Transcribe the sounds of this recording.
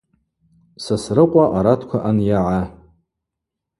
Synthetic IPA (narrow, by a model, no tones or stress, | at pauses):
sasrɨqʷʼaʔaɾatʰkʷʰaʔanjaʕa